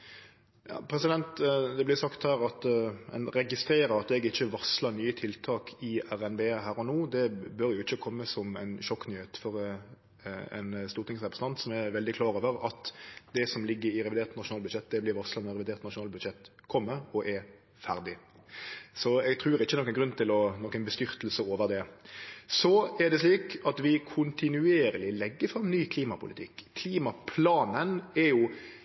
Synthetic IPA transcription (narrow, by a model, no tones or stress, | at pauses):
jɑ̰ːpʰɾɛsɪd̪ɛnt̪d̪ɛblɪsɑkt̪hæːɾɑt̪ɛ̰nɾɛɡɪst̪ɾeːɾəɾɑt̪ɛɡɪçːəʋɑslənyːət̪ʰɪlt̪ʰɑːkʰɪæʁɛnbeːɦæːɾɔnuːd̪ɛbœɾjʊɪçːəkʰɔmːəsɔmɛ̰ɪnʃɔkːnyːheːt̪fɔɾ | ɛ̰nst̪uːɾt̪ɪŋsɛpɑst̪ɑnt̪sɔmæʋɛld̪ɪkʰlɑːɾoːʋəɾɑt̪d̪ɛsɔmlɪɡːəɾɪɾɛʋɪd̪eːʁt̪nɑʃʊnɑːlbʉd̪ʃɛt̪ːd̪ɛblɪɾʋɑslɑnɔʁɛʋɪd̪eːɾt̪nɑʃʊnɑːlbʉd̪ʃɛt̪ːkʰɔmːəɾɔʔɛɾ | fæʁd̪ɪ | sɔɛɡt̪ʰʁʉːɾɪçːəɛnɔkːənɡɾʉnːt̪ʰɪlɔnɔkːənbəst̪ʏɾt̪l̩səoːʋəʁd̪ɛ | sɔɛd̪ɛsliːkɑt̪ʋɪkʰʊnt̪ɪnʉeːɾəlɪlɛɡːəfʁɑmːnyːkʰliːmɑpʰʊlɪ̰t̪ʰɪkːkʰliːmɑpʰlɑːnənɛɾjʊ